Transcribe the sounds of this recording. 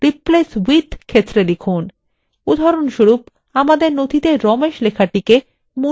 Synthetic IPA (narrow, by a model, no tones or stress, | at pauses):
ɾipleswit̪ʰkʰet̪ːɾelikʰun | ud̪ʱaɾonʃuɾup | amad̪eɾnod̪ʱit̪eɾɔmeʃlekʰaʈike | mu